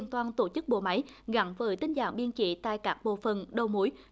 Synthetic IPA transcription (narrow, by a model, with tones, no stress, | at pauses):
ənt̪waː˧nt̪o˧˩t͡ɕɨ˦˥k̚ɓo̰˧˨ma˨˦jɣa˧˥nvəː˨˦jt̪ï˧ŋ̟za̰ː˧˩ŋɓi˧ənt͡ɕḭ˧˦t̪a̰ː˧˨jkaː˦˥k̚ɓo̰˧˨fə˨˩nɗə˧wmu˨˦j